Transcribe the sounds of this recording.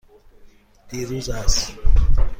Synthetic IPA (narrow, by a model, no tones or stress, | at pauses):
tiɾuzaːsi̥